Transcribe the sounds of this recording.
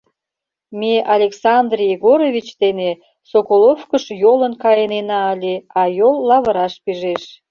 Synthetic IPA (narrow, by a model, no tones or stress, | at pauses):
meʔɑlʲeksɑnd̪rʲjiɣoɾoβʲit͡ɕd̪ene | sokolofkəʃjolənkɑjənenɑəlʲeɑjolːɑβəɾɑʃpiʒeʃ